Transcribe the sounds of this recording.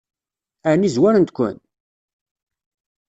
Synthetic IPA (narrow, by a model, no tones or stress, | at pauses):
ænizwæɾənt̪kʷːə̰n